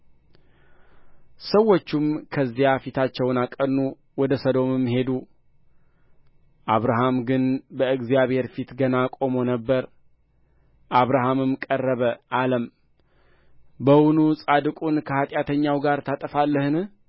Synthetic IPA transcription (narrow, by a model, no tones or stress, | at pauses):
səwːot͡ʃːumkʰəzːijafit̪ʰat͡ʃːɛwnakʼənːu | wɔd̪əsəd̪o̞mɨmhe̞d̪u | ʔaβɾaɦamɡɨnbəɨɡzijaβhe̞ɾfit̪ɡənakʼo̞mo̞nəbːəɾ | ʔaβɾaɦamɨmkʼərːəβəʔaləm | bəwunusʼad̪ɨkʼunkʰəhat̪ʼjat̪ʰəɲːawɡaɾt̪ʰat̪ʼəfalːəhɨn